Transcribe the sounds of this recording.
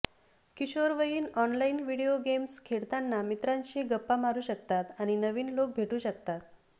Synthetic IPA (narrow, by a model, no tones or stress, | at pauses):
kiɕoɾʋəjiːnɔnlainʋiɽioɡemskʰeɽt̪anːamit̪ɾãɲɕiːɡəpːamaɾuːɕək̚t̪at̪aɽ̃inəʋiːnlok̚bʱeʈuːɕəkt̪at̪̚